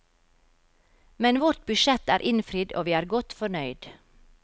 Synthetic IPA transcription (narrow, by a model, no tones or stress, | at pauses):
mɛnʋɔʈ̪̚bʉʃɛt̪æːɾʔɪnfɾiːd̪o̰ːʋiːæːɾɡɔt̪fɔnœʏd̪̥